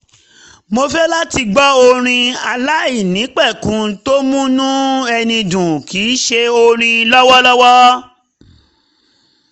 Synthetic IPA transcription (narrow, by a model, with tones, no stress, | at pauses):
mo˧fɛ˦la˦ti˧ɡ͡bɔ˦o˧ɾ̃ĩ˧a˧la˦i˦˨nĩ˨˦k͡pɛ˦˨kũ˨˦to˦mũ˦nũ˦ɛ˧nĩ˧dũ˨ki˨˦ʃe˧o˧ɾ̃ĩ˧lɔ˦wɔ˦lɔ˦wɔ˦